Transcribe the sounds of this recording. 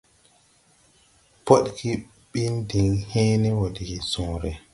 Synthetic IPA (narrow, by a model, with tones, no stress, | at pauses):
po˦ɗki˦ | ɓi˦ndi˨ŋheː˦nɛ˦wo˨di˨ki˨sɔ̃ːɾɛ˨